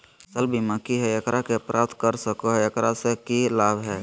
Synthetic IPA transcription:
səlbʱiməkiɦɛjəkɾakeəpɾʔaːp̚t̪kəɾsəkoɦɛjəkɾasekilaːbʱɦɛː

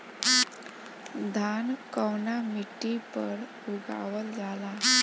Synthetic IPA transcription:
d̪ʱankəwnamiʈipəɾ | uɡa̰ʋəld͡zʱala

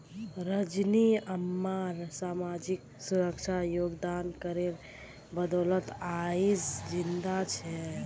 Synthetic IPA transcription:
ɾəd͡ʒniəmːaɾsamad͡ʒik | suɾəkt͡ʃʰajoɡd̪ankəɾeɾ | bəd̪ɔlət̪aid͡ʒd͡ʒind̪at͡ʃʰɛ

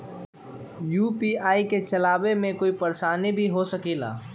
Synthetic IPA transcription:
juːpiːaːiket͡ʃɐlaːʋemẽkoːipɐɾʃaːnibʱiɦosəkiːla̰ː

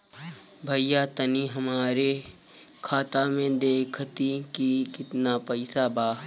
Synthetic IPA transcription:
bʱɐjjat̪ɐniɦɐmaːɾe | kʰaːt̪amẽd̪eːkʰət̪ikikɪt̪napɐɪsabaː

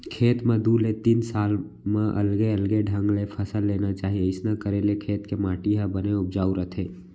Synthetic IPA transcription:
kʰeːt̪mə̃d̪ulet̪iːnsaːl | mãʔɐ̰lɡeəlɡeɖʱə̃ŋɡlepʰəsəlːeːnat͡ʃaːɦieɪsnakəɾelekʰeːt̪kemaːʈiɦabəneʊpd͡ʒaːuɾət̪ʰeː

